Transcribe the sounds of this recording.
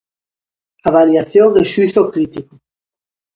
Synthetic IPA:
aβaɾjaθjoŋeʃuiθokɾit̪iko

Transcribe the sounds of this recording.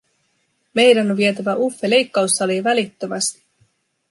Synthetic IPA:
me̞jdænonʋiet̪æʋæʔufːele̞jkːɑwsːɑliʋælit̪ːømæst̪i̥

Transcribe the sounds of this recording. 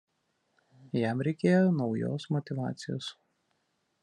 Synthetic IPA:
jæmɾʲɛɪkʲeːjonɒʊjo̰ːsmɔt̪ʲɪʋɑ̰ːt̪sʲɪjo̰ːs

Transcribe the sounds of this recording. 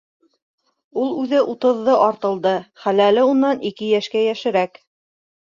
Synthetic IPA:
ulˠʉðɘʔut̪ɤ̆ðːɤʔɑɾt̪ɤ̆lˠd̪ɤχælælɘunːɑnikɘjæʃkæjæʃɘ̆ɾæk

